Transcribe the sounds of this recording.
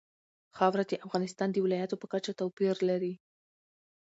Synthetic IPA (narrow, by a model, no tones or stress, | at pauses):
xɑwɾad̪əʔafɣɑnɪst̪ɑnd̪əwɪlɑjat̪opəkat͡ʃat̪awpiɾlaɾi